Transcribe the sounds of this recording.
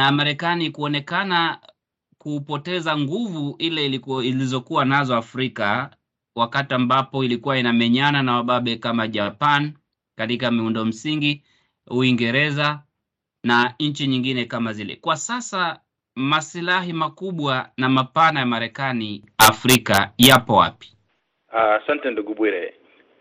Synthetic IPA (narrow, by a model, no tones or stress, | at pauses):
namaɾɛkanikuɔnɛkana | kuːpɔtɛzaŋɡuvuilɛilizɔkuwanazɔafɾika | wakatiambapɔilikuwainamɛɲananawaɓaɓɛkamaʄapan | katikamiundɔm̩siŋɡi | uiŋɡɛɾɛza | naɲ̩t͡ʃiɲiŋɡinɛkamazilɛ̰kwasasa | masilaɦimakuɓwanamapanajamaɾɛkani | afɾikajapɔwa̰pi̥ | asantɛnduɡuɓwiɾɛ